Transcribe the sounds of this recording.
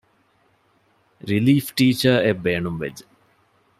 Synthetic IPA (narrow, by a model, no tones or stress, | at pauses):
ɾiliːfʈiːt͡ʃəɾebeːɳumʋḛd͡ʒə